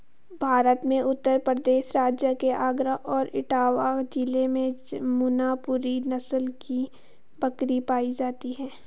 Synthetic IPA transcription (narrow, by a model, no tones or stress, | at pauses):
bʱaːɾət̪mẽʔʊt̪ːəɾpɾəd̪eːʃɾaːd͡ʒjəkeʔaːɡɾəɦɔːɾɪ̰ʈaːwakd͡ʒɪlemẽmʊnapuːɾinɐsəlki | bɐkɾipaːid͡ʒaːt̪iɦɛ̃ː